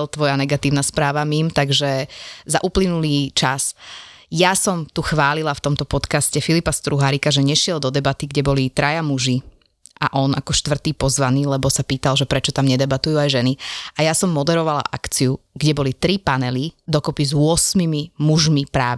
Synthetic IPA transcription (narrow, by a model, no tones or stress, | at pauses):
lt̪ʋɔjanɛɡat̪iːʊnaspɾaːʋamimt̪aɡʒɛza̰ʔuplinuliːt͡ʃas | jasɔmt̪uxʋaːlilaft̪ɔmt̪ɔpɔt̪kascɛfilipast̪ɾuɦaɾikaʒɛɲɛʃɪɛld̪ɔd̪ɛbat̪iɡɟɛbɔlit̪ɾʔajamuʒi | ʔa̰ʔɔnʔakɔʃt̪ʋr̩t̪iːpɔzʋaniːlɛbɔsapiːt̪alʒɛpɾɛt͡ʃɔt̪amɲɛd̪ɛbat̪ujuajʒɛniajasɔmːɔd̪ɛɾɔʋala̰ʔa̰kt͡siuɡɟɛbɔlit̪ɾipanɛlid̪ɔkɔpizʊɔsmimimuʒmipɾaː